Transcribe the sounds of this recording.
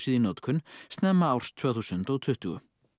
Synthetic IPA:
siðinɔt̪kʰʏnst̪nɛmːaawr̥st̪ʰvœːθuːsʏnt̪ɔɣt̪ʰʏht̪ʏɣʏ̰

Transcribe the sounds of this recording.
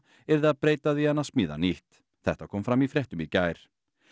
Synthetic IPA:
ɛɾðɪaðpɾeːjt̪aðianaðsmiːða̰niht̪ | θɛht̪akʰɔːmfɾamifɾjɛht̪ʏmicaːjɾ̥

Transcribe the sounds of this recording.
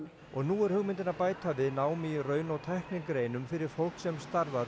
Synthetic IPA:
ɔɣnuːɛɾ̥hʏɣmɪnt̪ɪnapaːjt̪avɪðnaːwmirœːɥnawt̪ʰɛhknɪŋkɾejnʏmfɪɾɪɾ̥fowl̥ksɛmst̪aɾðaɾ

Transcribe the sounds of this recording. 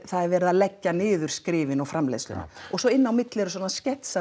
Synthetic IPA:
θaðɛɾvɛːɾɪðalɛcːanɪːðʏɾ̥skɾɪːvɪnawfɾamlḛjst̪ʏ̰na̰ɔɣsɔɪnːawmɪt̪lɪɛɾʏs̬ɔnascɛht̪sa

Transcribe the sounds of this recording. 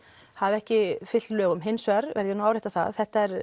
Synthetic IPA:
havɛhcɪfɪt̪lœːɣʏmɦɪnsvɛɾvɛ̰ɾðjɪnuawɾejt̪aθa̰ðθɛht̪aɛɾ

